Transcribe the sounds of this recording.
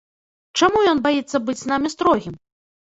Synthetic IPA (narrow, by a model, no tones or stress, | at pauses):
t͡ʂamujɔnbajit̪sːɐbɨd͡zʲznamʲist̪ɾɔɣʲim